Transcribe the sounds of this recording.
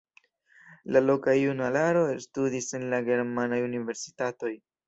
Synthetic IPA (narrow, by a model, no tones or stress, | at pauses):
lalo̞kajunalaɾo̞estudise̞nlaɡe̞ɾmanajunive̞ɾsi̥tato̞j